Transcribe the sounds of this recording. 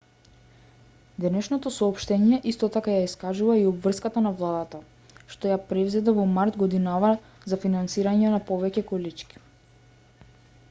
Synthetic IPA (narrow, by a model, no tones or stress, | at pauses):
d̪ɛnɛʃnɔt̪ɔsɔɔpʃt̪ɛɲiɛʔist̪ɔt̪akajaiskaʒuvaiɔbvr̩skat̪anavlˠad̪at̪a | ʃt̪ɔjapɾɛvzɛd̪avɔmaɾt̪ɡɔd̪inava | zafinansiɾaɲɛnapɔvɛcɛkɔlit͡ʃki̥